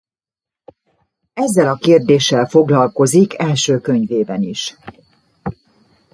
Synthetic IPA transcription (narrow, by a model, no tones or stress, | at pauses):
ɛzːɛlɒkeːrd̪eːʃːɛlfo̞ɡlɒlko̞zikʰɛlʃøːkøɲveːbɛniʃ